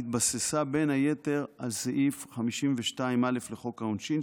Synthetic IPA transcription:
it̪̚basesabe̞nhaje̞te̞ʁalzeʔifχamiʃimveʃtaimale̞fleχo̞kaonʃin

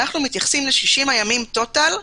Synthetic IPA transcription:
naχnumit̪jaχsimleʃiʃimajamimt̪o̞tal

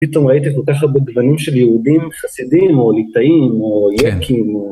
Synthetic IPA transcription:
pit̪o̞mʁait̪iko̞lkaχabeɡvanimʃeljeud̪imχasidimo̞lit̪aimojekʰimo

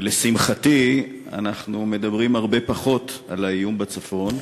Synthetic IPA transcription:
lesimχati | a̰naχnume̞dabʁimhaʁbe̞paχo̞talaijumbat͡safo̞n

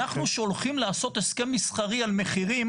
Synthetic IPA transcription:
aχnuʃolχimlaːso̞t̪eske̞mːisχaʁialme̞χiʁim

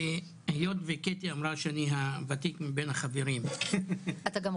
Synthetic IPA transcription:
hjot̪veket̪iamʁaʃeaniɦavat̪ikmibenhaχaveɾim | at̪aɡam

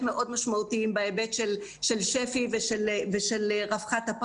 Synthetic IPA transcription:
meʔo̞d̪maʃmautiimbaebetʃelʃelʃefiveʃelveʃelʁafχat̪ap

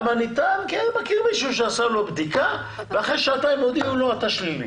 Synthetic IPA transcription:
manit̪ankenmakiʁmiʃuʃeasalo̞bd̪ika | veaχejʃaːt̪aimod̪iuloat̪aʃlimḭ

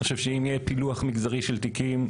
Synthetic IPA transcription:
oʃevʃeimjepiluaχmiɡzaʁiʃelt̪ikim

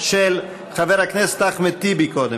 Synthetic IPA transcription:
ʃel | χaveʁhaknese̥t̪aχmet̪ibikod̪e

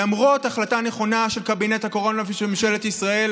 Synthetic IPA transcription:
amʁo̞taχlataneχo̞naʃe̞lkabinethako̞ʁo̞navʃemimʃelet̪isʁael

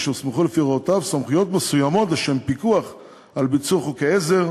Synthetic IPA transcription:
ʃesmeχulefiʁaotavsamχujo̞tmesujamo̞tleʃempikuaχ | albit͡suχukeezeʁ

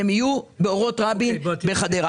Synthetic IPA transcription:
emijubeoʁo̞tʁabimbeχad̪eʁ

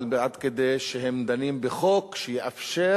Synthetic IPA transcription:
lbeʕad̪ked̪ejʃeɦemd̪animbexokʃejeʔafʃe

